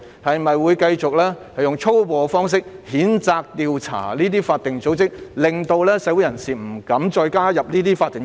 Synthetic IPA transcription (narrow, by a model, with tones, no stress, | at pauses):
hɐ˨jmɐ˨jwuː˨˧jkɐ˧jt͡sʊ˨k̚lɛː˥hɐ˨˩jʊ˨ŋt͡ʃʰo˥wpɔː˨˧fɔː˥ŋs̬ɪ˥k̚hiː˨˥nt͡saː˧k̚t̪iː˧wt͡sʰa̰ː˨˩liː˥t̪iː˥faː˧t̚t̪ɪ˨ŋt͡so˨˥wt͡sɪ˥k̚lɪ˨ŋt̪o˧wlɛː˥sɛ˨˧˥wu˨˥jɐ˨˩nsiː˨m̩˨˩kɐ˨˥mt͡ʃɔː˧jkaː˥jɐ˨p̚niː˥t̪iː˥faː˧t̪ɪ˨ŋ